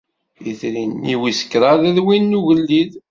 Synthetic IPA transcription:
iθɾinːiwisə̥kːɾaðæðwinːuʝəlːið

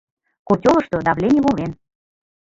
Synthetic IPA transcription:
kotʲolˠə̆ʃt̪od̪ɑβlʲenʲiβolen

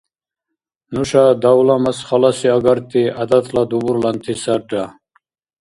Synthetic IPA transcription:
nuʃad̪awlamasχalasiaɡaɾt̪ʼiad̪at̪ʰlad̪ubuɾlant̪ʰisaɾɖa

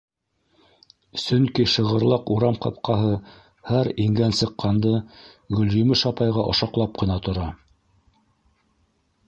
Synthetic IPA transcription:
sɵŋkiʃɤ̆ʁɤ̆ɾlˠɑquɾɑmqɑp̚qɑɦɤ | hæɾiŋɡænsɤ̆qːɑnd̪ɤ | ɡɵ̆ljɵ̆mɘʃɑpɑjʁɑʔŏ̰ʃɑqlˠɑp̚qɤ̆nɑt̪ŏɾɑ

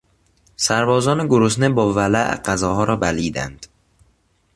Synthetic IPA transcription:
sæɾbɒːzɒːneɡoɾos̬nebɒːvælæʔɢæzɒːɦɒːɾɒːbæliːd̪æ̰nd̪̥

